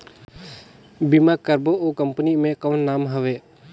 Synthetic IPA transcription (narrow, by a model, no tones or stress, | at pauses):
bimakəɾboʔokəmpənimẽkəwnːamɦəʋe